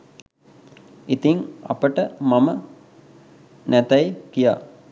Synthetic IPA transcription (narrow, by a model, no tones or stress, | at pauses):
it̪iŋa̰pəʈəmamə | næt̪æjkija̰ː